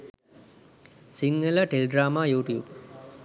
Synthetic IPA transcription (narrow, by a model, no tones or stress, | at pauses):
siŋɡələʈeleɖɾaːmaːjuːʈijuːb